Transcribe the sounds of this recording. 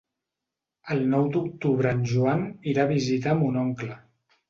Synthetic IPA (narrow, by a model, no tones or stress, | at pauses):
əlˠnɔwd̪uk̚t̪uβɾəːnʲʒuaniɾaβ̞izit̪̬əːmunɔŋklə